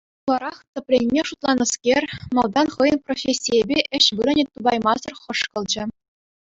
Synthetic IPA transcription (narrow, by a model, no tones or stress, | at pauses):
ulˠɑɾɑχt̪ʲɘ̆pʲlʲenʲmʲeʂut̪lˠɑnɤ̆skʲerʲmɑlˠd̪ɑnχɤjɤ̆nprofʲesʲːijebʲeʔɘ̆ɕʋɯɾɤ̆nʲet̪ːubɑjmɑzɤ̆rχɤ̆ʂkɤ̆lˠd͡ʑɘ̆